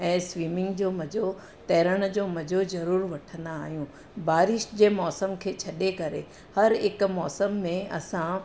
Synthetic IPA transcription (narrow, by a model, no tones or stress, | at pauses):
ɛ̃ːsʋiːmɪ̃ŋɡd͡ʑoːmɐd͡ʑo | t̪ɛːɾəɽ̃d͡ʑoːmɐd͡ʑozɐɾuːɾʋɐʈʰə̃nd̪aːɦijũ | baːɾɪʃd͡ʑeːmɔːsəmkʰeːt͡ɕʰɐɗekɐɾḛ | hɐɾɪkmɔːsəmːẽɐsã